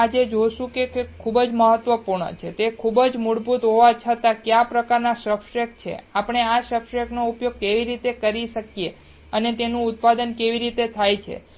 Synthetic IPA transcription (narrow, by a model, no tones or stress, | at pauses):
ad͡ʒed͡ʒoʃũkekkʰubəd͡ʒməɦət̪ːʋəpuɾɳə̰t͡ʃʰet̪ekʰubəd͡ʒmuɽbʱut̪ɦoʋat͡ʃʰət̪akjapɾəkaɾnaʃəpʃek̚t͡ʃʰḛapəɳ̃eaʃəpʃeknoupjoɡ̚keʋiɾit̪ekəɾiʃəkije | ənet̪enũʊt̪̚pad̪ənkeʋiɾit̪et̪ʰajt͡ʃʰḛ